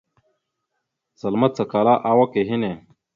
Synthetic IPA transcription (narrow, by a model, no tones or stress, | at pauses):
sɐlmɐt̪̚t͡sɐkaːlaːʔaːwɐkeɦine